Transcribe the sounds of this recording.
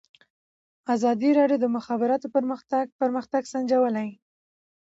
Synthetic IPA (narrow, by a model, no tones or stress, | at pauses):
azɑd̪iɾɑɖjod̪əmʊxɑbɪɾɑt̪opəɾməxt̪apəɾməxt̪aɡsand͡ʒawəlaj